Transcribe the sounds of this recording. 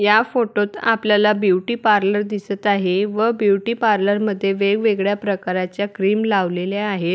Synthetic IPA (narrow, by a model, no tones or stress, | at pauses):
jafoʈot̪apljalabjuʈiːpaɾləɾd̪isət̪aɦeʋəbjuʈiːpaɾləɾməd̪ʱːjeʋeɡʋeɡɭjapɾəkaɾat͡ɕjakɾiːmlaʋleljaːɦe